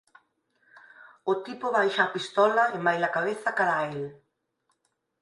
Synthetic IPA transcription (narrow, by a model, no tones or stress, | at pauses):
ʊt̪ipoβajʃaːpist̪ɔlɐemajlakaβ̞eθɐkaɾael